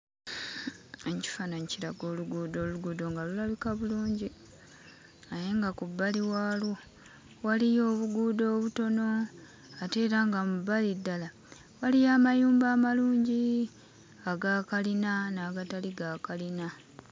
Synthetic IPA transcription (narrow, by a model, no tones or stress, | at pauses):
eɲci̥fanaɲiciɾaɡo̞ːluɡuːdo̞ːluɡuːdo̞ŋɡalulaβikaβuluːɲɟi | ajeːŋɡakubːaliwaːlu | walijo̞ːβuɡuːdo̞ːβuto̞no̞ | ate̞ːɾaːŋɡamubːalidːala | walijaːmajuːmbaːmaluːɲɟi | aɡakalinanaːɡataliɡaːkalina